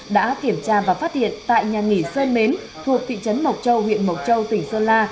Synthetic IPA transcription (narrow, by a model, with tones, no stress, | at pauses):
ɗa̰ː˧˥ki˧˩əmt͡ɕaː˧vaː˨˩faː˦˥t̚hḭ˧˨ənt̪a̰ː˧˨jɲaː˨˩ŋi˧˩səː˧nme˨˦n | t̪ʰu˨˩ək̚t̪ʰḭ˧˨t͡ɕə˨˦nmə˨˩wt̚t͡ɕə˧whwḭ˧˨ənmə˨˩wt̚t͡ɕə˧wt̪ï˧˩ŋ̟səː˧laː˧